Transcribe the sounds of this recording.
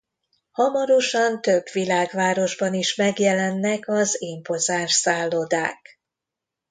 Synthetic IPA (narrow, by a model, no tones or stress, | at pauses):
hɒmɒɾo̞ʃɒnt̪ø̞bʋilaːɡʋaːɾo̞ʒbɒniʃmɛɡjɛlɛnːɛkɒzeːmpo̞zaːʃsaːlːod̪a̰ːk